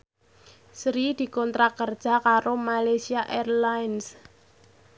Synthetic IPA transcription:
sɾid̪̥i̤kɔnt̪ɾakərd̥ʒ̥a̤kaɾomalajsiaʔɛrlaɪns

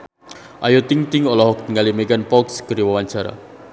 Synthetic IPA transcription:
ʔajot̪iŋt̪ɪŋɔlɔɦɔk̚t̪əŋalimekanpɔksɡ̥əɾiwawaɲt͡ʃaɾa̰

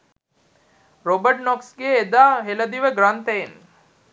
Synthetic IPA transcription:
ɾobəʈnɔksɡeːd̪aːɦeləd̪iʋəɡrant̪æjen

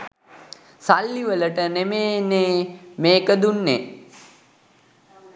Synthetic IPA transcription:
salːiʋələʈənemeːneːmeːkəd̪unːe

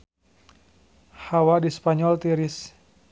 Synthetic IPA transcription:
hawadispaɲɔlt̪iɾis

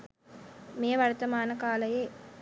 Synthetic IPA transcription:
meːʋɐɾt̪ɐmaːnɐkaːlɐjeː

